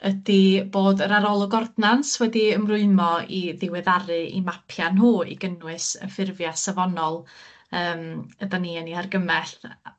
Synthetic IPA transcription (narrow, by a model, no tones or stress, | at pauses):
ədiboːdəɾaɾɔlˠʊɡɔrdnanswɛdiəmrʊɨmɔiðɪwɪðaɾɨʔḭmapʰjanɦuːḭɡənwɨsə̰fɪrvjasavɔnɔlˠ | əːmədaniːəniharɡəmɛɬ